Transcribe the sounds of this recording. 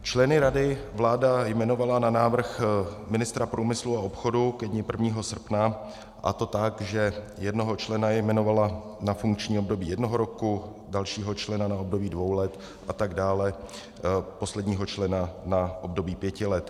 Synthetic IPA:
t͡ʃlɛnɪɾadɪvlaːdajmɛno̞valananaːvr̩xmɪnɪst̪ɾapɾʔuːmɪsluao̞pxo̞dukɛdɲɪpr̩vɲiːɦo̞sr̩pna | ʔa̰t̪o̞t̪akʒɛ | jɛdno̞ɦo̞t͡ʃlɛnajmɛno̞valanafuŋkt͡ʃɲiːob̚do̞biːjɛdno̞ɦoɾo̞ku | dalʃiːɦo̞t͡ʃlɛnanaob̚do̞biːdvo̞wlɛt̪ | ʔat̪aɡdaːlɛ | po̞slɛdɲiːɦo̞t͡ʃlɛnanaʔo̞bdo̞biːpjɛcɪlɛt̪

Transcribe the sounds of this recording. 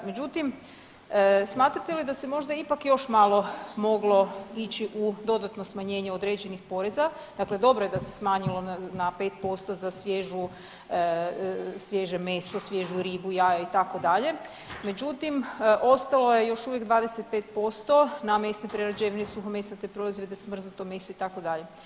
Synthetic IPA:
me̞d͡ʑut̪im | əsmaːt̪ɾat̪elid̪ase̞mo̞ʒd̪aipakjo̞ʃmalˠo̞mo̞ɡlˠo̞it͡ɕiʔud̪o̞d̪at̪no̞smaɲe̞ːɲeod̪ɾeːd͡ʑe̞nixpo̞ɾeza | d̪akle̞d̪o̞bɾoje̞d̪ase̥smaːɲilo̞napet̪̚po̞st̪o̞zasʋʲjeʒu | sʋjeʒemesosʋje̞ʒuɾiːbujajait̪ako̞d̪aʎe̞ | me̞d͡ʑut̪imʔo̞st̪alo̞je̞jo̞ʃuʋje̞ɡd̪ʋaːd̪eset̪̚pet̪po̞st̪o̞name̞stnepɾeɾad͡ʑeʋinesuxomesat̪epɾo̞izʋjed̪esmr̩znut̪o̞me̞soit̪ako̞d̪aʎe̞

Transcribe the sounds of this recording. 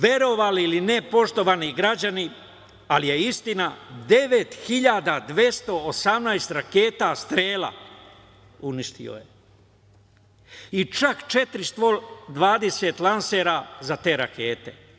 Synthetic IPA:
ʋe̞ɾo̞ʋaliilinepo̞ʃt̪o̞ʋaːniɡɾad͡ʑani | alije̞ist̪inad̪e̞ʋe̞t̪xiʎad̪ad̪ʋje̞st̪o̞ːsamnaːest̪ɾake̞ːt̪ast̪ɾeːla̰ | uniʃt̪ḭo̞̰je | it͡ʃakt͡ʃe̞t̪ɾist̪ʋod̪ʋaːd̪e̞se̞t̪lanse̞ɾazat̪e̞ːɾake̞ːt̪e̞̰

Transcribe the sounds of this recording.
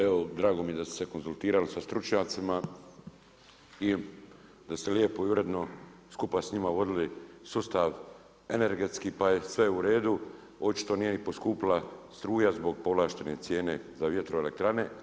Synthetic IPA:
eʋod̪ɾaːɡo̞mijed̪asu̥se̞ko̞nsult̪iːɾalisast̪ɾut͡ʃɲaːt̪sima | i | d̪ast̪eljepojuʋɾe̞d̪no̞skupasɲimaʋo̞d̪ilisuːst̪aʋ | e̞ne̞ɾɡe̞t̪skipajesʋeuɾe̞ːd̪u | o̞t͡ʃi̥t̪o̞niːjenipo̞skuːpilˠast̪ɾuːjazbo̞ɡpo̞ʋlaːʃt̪e̞ne̞t̪sje̞ːne̞zaʋje̞t̪ɾoele̞̰k̚t̪ɾane̞

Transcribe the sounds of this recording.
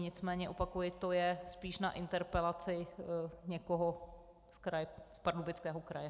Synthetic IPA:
ɲɪt͡smɛːɲɛʔopakujɪt̪ojɛspiːʃnaʔɪnt̪ɛɾpɛlat͡sɪɲɛkoɦo | skɾajɛspaɾdubɪt͡skɛːɦokɾajɛ

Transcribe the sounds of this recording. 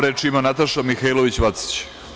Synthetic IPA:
ɾeːt͡ʂimanat̪aʃamixailˠoʋit͡ɕʋat̪si̥t͡ɕ

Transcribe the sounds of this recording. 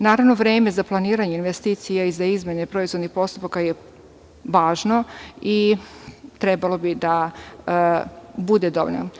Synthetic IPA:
naːɾaʋno̞ʋɾeːme̞zaplˠaniːɾaɲeinʋest̪iːt̪sijaizaizme̞nepɾo̞izʋo̞d̪nixpo̞st̪upakaje | ʋaːʒno̞i | t̪ɾɛbalˠo̞bid̪a | bud̪ed̪o̰ʋo̰no̰

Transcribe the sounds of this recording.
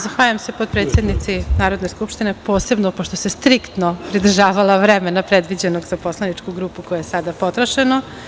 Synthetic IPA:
zaxʋaːʎamse̞pod̪̚pɾet̪sjed̪nit̪sinaːɾo̞d̪neskupʃt̪inepo̞ːse̞bnopoʃt̪osest̪ɾikt̪nopɾid̪r̩ʒaːʋalaʋɾemenapɾed̪ʋid͡ʑenoɡz̥apo̞slanit͡ʂkuɡɾuːpukojajesad̪apo̞t̪ɾoʃeno

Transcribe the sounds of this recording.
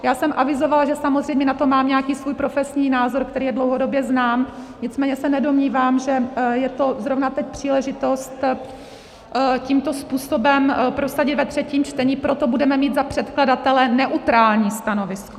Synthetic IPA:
jaːsɛmʔavɪzovalʒɛsamozr̝ɛjmɲɛnat̪o̞maːmɲɛakiːsvuːjpɾo̞fɛsɲiːnaːzo̞ɾkt̪ɛɾiːjɛdlowɦodo̞bjɛznaːmɲɪt͡smɛːɲɛsɛnɛdo̞mɲiːvaːmʒɛjɛt̪o̞zɾovnat̪ɛc̚ʲpr̝̥iːlɛʒɪt̪o̞st̪ | ciːmt̪o̞spuːso̞bɛmpɾo̞saɟɪt̪vɛt̪r̝̥ɛciːmt͡ʃt̪ɛɲiːpɾo̞t̪obudɛmɛmiːd̪zapr̝̥ɛt̪kladat̪ɛlɛnɛʔut̪ɾaːlɲiːst̪ano̞vɪsko̥

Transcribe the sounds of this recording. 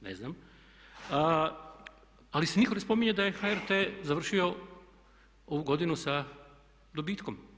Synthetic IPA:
nḛznam | alisenikonespo̞miɲed̪aje̞xaeɾt̪eːzaʋr̩ʃio̞ | o̞ʋuɡo̞d̪inusa | d̪obiːt̪ko̞m

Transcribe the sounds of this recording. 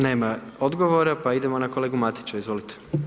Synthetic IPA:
ne̞ːmao̞d̪ɡoʋoɾapaid̪emo̞nakole̞ːɡumat̪i̥t͡ʃaizʋo̞ːlit̪ʰe̥

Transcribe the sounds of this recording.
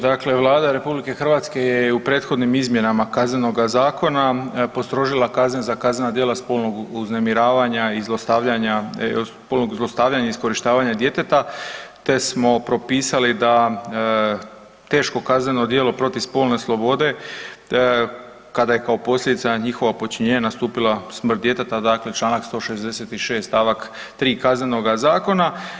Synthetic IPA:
d̪akle̞ʋlˠaːd̪aɾe̞publike̞xr̩ʋat̪ske̞jeupɾe̞ːt̪xo̞d̪nimizmje̞namakazneno̞ɡazaːkʰo̞napo̞st̪ɾo̞ʒilˠakazɲezakaznenad̪jelaspolˠno̞ɡuznemiɾaːʋaɲaizlˠost̪aʋʎaɲaspoːlˠnoɡzlˠost̪aːʋʎaɲaisko̞ɾiʃt̪aːʋaɲad̪je̞t̪et̪at̪e̞smo̞pɾo̞piːsalid̪a | t̪e̞ːʃko̞kazne̞no̞d̪je̞ːlo̞pɾo̞t̪iʋspo̞ːlˠne̞slˠo̞bo̞d̪e̞ | kad̪aje̞kao̞po̞slʎʲed̪it̪saɲixo̞ʋapo̞t͡ʃiɲeːɲanast̪uːpilˠasmr̩t̪d̪je̞t̪et̪ad̪aːkle̞t͡ʃlaːnakst̪o̞ːʃe̞zd̪e̞se̞t̪iʃe̞ːst̪aʋak | t̪ɾiːkazneno̞ɡazaːko̞na

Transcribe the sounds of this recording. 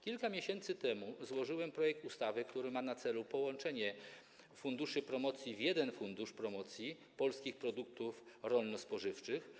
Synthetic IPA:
kʲilkamʲjeɕɛnt̪sɘt̪ɛmuzwɔʐɘwɛmpɾɔjɛk̚t̪ust̪avɘkt̪uɾɘmanat̪sɛlupɔwɔnt͡ʂɛɲɛ | fund̪uʂɘpɾɔmɔt̪sʲjivjɛd̪ɛnfund̪uʂpɾɔmɔt̪sʲji | pɔlskʲixpɾɔd̪uk̚t̪ufɾɔlnɔspɔʐɘft͡ʂɘx

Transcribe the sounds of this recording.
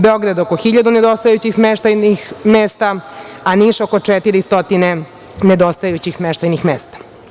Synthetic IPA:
beoɡɾad̪okoxiʎad̪uned̪ost̪ajut͡ɕixsmeʃt̪ajnixmeːst̪aaniʂokot͡ʂet̪iɾist̪o̞t̪ine | ned̪ost̪ajut͡ɕixsmeʃt̪ajnixmeːst̪ḁ

